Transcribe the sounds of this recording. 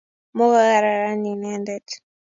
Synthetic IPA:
mo˦ɣa˦ɣa˨ɾa˨ɾa˦ni˨nɛ˦ndɛ˦t

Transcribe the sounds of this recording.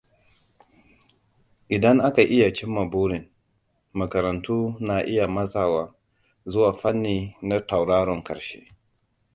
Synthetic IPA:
ʔɪ˨dɐ˦ŋʔa˦ka˨ʔɪ˦ja˨t͡ʃɪ˦mːa˨buː˦ɾɪ˨n | mɐ˨kɐ˨ɾɐ˨ntuː˦na˨ʔɪ˦ja˨mɐ˦zaː˨waː˦ | zʊ˦waː˨ɸɐ˦nːiː˨na˦ta˨wɽaː˦ɽɔ˨ŋkɐ̰˨ɾʃḛ˦

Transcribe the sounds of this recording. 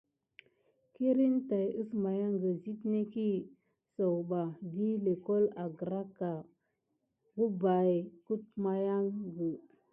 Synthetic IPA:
ki˦ɾi˦nta˨ju˦sma˨ja˦ŋɡə˨zi˦tne˦ki˦ | so˨wba˨vi˦le˨ko˦la˨ɡɾa˦ka˨ | ɡu˦ba˨jku˦t̚ma˦ja˦ŋɡə˨

